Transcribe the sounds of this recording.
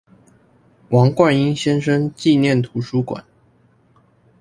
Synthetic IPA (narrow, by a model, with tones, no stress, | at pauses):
wɑ˧˥ŋkwa˥˩ni˥ŋɕjɛ˥nʂə˥ŋt͡ɕi˥˧njɛ˥˩nt̪ʰu˧˥ʂu˥kwa̰˨˩˦n